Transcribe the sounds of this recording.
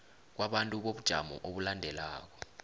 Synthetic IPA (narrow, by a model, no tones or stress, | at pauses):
k̬waɓantʼuɓoɓud̥ʒ̥ʱa̰mɔ̰ʔoɓulandʱɛlaːk̬ɔ̥